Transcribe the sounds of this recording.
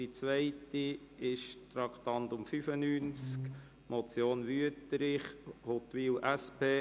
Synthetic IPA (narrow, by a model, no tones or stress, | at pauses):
it͡sʋɛɪtiɪʃt̪ɾɑkχt̪ɑnt̪ʊmfyfənyːnt͡sk | mɔt͡sjoːnʋyətɾɪχhot̪ʋiːwʔæspʰeː